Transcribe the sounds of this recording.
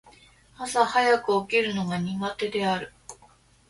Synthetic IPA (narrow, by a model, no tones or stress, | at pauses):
asahajakɯ̟okʲiɾɯ̟no̞ɡaɲ̟iɡat̪e̞d̪e̞aɾɯ̟